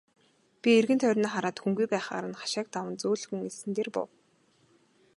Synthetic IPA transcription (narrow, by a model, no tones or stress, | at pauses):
pʲierɣɘ̆nt̪ʰœːrʲnaːχaɾaːt̪xuŋɡujpæːχa̰ːɾə̆nχḁʃaːk̚t̪awə̆nt͡soːɮxŭŋesɘ̆nt̪eːrpʊ̰w